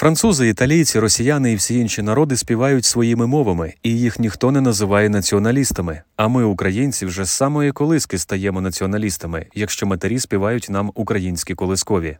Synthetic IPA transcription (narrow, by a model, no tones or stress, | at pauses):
fɾɐnt̪suzɪit̪ɐlʲijt͡sʲiɾɔsʲijanɪiwsʲijinʃinɐɾɔd̪ɪsʲpʲiʋɑjʊtʲsʋɔjimɪmɔʋɐmɪijixnʲixt̪ɔnɛnɐzɪʋɑjɛnɐt͡sʲiɔnɐlʲist̪ɐmɪɐmɪʊkɾɐjinʲt͡sʲiwʒɛsɑmɔjikɔlˠɪskɪst̪ɐjɛmɔnɐt͡sʲiɔnɐlʲist̪ɐmɪjɐkʃt͡ʃɔmɐt̪eɾʲisʲpʲiʋɑjʊtʲnɑmʊkɾɐjinʲsʲkʲikɔlˠɪskɔʋʲi